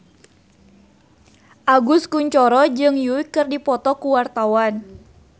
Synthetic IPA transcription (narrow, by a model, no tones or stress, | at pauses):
ʔaɡuskuɲt͡ʃɔɾɔd͡ʒɨŋjukɨrdipɔt̪ɔkuwart̪awan